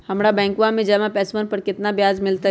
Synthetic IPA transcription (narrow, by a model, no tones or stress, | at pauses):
hɐmɾabɛ̃ːŋkʋãmẽd͡ʒɐmapɛːsmənpəɾkɪt̪nabjaːd͡ʒmɪlt̪a